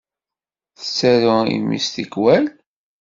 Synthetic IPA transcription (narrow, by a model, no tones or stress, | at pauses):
θə̥t͡sːæɾʊḭmḭst̪ikwæl